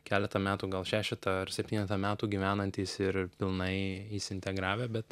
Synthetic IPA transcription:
kʲæːlʲɛt̪ɐmʲæːt̪uːɡɐlˠʃʲæːʃʲɪt̪ɐɐɾsʲɛpʲt̪ʲiːnʲɛt̪ɐmʲæːt̪uːɡʲiːʋʲæːnɐnʲt̪ʲiːsɪɾpʲɪlˠnɐɪisɪnʲt̪ʲɛɡɾɑːʋʲeːbʲɛt̪

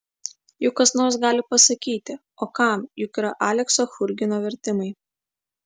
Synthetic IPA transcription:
jʊkkːɐsnoːɾsɡɑːlʲɪpɐsɐkʲiːt̪ʲɪ | oːkɑˑmjʊkiɾɐʔaːlʲɛksoːxʊɾʲɡʲɪnoːʋʲɛɾʲt̪ʲɪmɐɪ

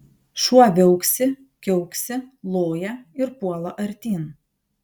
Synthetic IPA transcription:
ʃuɔʋʲɛʊksʲɪ | kʲɛʊksʲɪlˠoːjɛɪɾpuɔlˠɐʔɐɾʲt̪ʲiːn

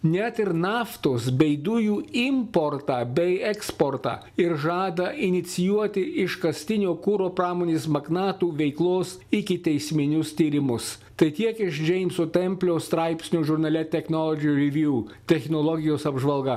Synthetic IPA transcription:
nʲɛt̪ɪɾnɑːft̪oːsbʲɛɪd̪ʊjuːɪmpoɾt̪ɑbʲɛɪɛkspoːɾt̪ɑ̰ː | ɪɾʒɑːd̪ɐɪnʲɪt̪sʲɪjuɔt̪ʲɪʔɪʃkɐsʲt̪ʲɪnʲoːkʊɾoːpɾɑːmoːnʲeːsmɐɡnɑːt̪uːʋʲɛɪklˠoːs | ɪkʲɪt̪ʲɛɪsʲmʲɪnʲʊst̪ʲiːɾʲɪmʊs | t̪ɐɪt̪ʲiɛkɪʃd͡ʒʲɛɪmʲsot̪ʲɛmʲpʲlʲoːst̪ɾɐɪpʲsʲnʲuːʒʊɾnɐlʲɛt̪ʲɛxnɔlˠɔd͡ʒʲjuɾʲɪʋʲjuːt̪ʲɛxʲnolˠɔɡʲɪjoːsɐbʒʋɐlˠɡɐ

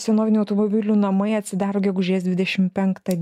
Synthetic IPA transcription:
sʲɛnoːʋʲɪnuːɐʊt̪omɔbʲɪlʲuːnɐmɐɪɐt̪ʲsʲɪd̪ɑːɾoːɡʲɛɡʊʒʲeːsd̪ʲʋʲɪd̪ʲɛʃʲɪmpʲɛŋkt̪ɐd̪

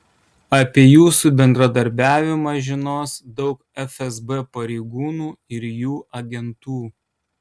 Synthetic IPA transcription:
ɐpʲiɛjuːsubʲɛnd̪ɾɐd̪ɐɾʲbʲæːʋʲɪmɐːʒʲɪnoːsd̪ɒʊkɛfʲɛzbɛpɐɾʲɛɪɡuːnuːɪɾjuːʔɐɡʲɛnt̪uː

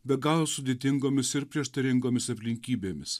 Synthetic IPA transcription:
bʲɛɡɑːlˠoːsʊd̪ʲeːt̪ʲɪŋɡoːmʲɪsɪɾpʲɾʲiɛʃt̪ɐɾʲɪŋɡoːmʲɪsɐpʲlʲɪŋʲkʲiːbʲeːmʲɪss

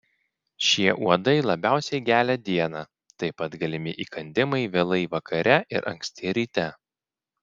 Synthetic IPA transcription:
ʃʲiɛʔuɔd̪ɐɪlˠɐbʲæˑʊsʲɛɪɡʲæːlʲɛd̪ʲiɛnɑ | t̪ɐɪpɐt̪ɡɐlʲɪmʲɪʔiːkɐnʲd̪ʲɪmɐɪʋʲeːlˠɐɪʋɐkɐɾʲɛʔɪ̰ɾʔɐ̰ŋksʲt̪ʲiɛɾʲiːt̪ʲɛ

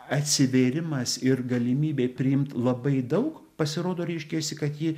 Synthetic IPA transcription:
ɐt̪ʲsʲɪʋʲeɾʲɪmɐsɪrɡɐlʲɪmʲiːbʲeːpʲɾʲɪjɪmt̪lˠɐbɐɪd̪ɐʊk | pɐsʲɪɾoːd̪oːɾʲɛɪʃʲkʲeːsʲɪkɐt̪ji

